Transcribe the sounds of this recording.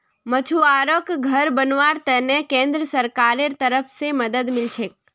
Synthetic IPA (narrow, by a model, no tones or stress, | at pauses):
mət͡ʃʰuaɾokɡʱəɾbənʋaɾt̪ɛnekẽnd̪ɾəsəɾkaɾeɾt̪əɾəpʰseməd̪əd̪mɪlt͡ʃʰek